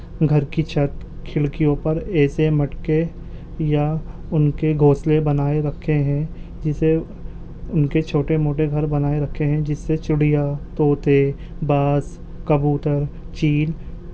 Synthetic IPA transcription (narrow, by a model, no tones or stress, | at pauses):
ɡʱɐɾkit͡ʃʰɐt̪ | kʰɪɭkijõpɐɾɛːsemɐʈke | ja | ʊnkeɡʱoːslebɐnaːeɾɐkʰːeɦɛ̃ | d͡ʒɪse | ʊnket͡ʃʰoːʈemoːʈeɡʱɐɾbɐnaːeɾɐkʰeɦɛ̃d͡ʒɪsːet͡ʃʊɽijat̪oːt̪e | baːs | kɐbuːʈəɾ | t͡ʃiːl